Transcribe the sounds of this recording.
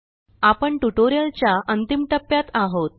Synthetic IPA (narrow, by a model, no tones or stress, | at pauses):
apəɳʈuʈoɾijəlt͡ɕjaʔənt̪imʈəpːjat̪aɦot̪̚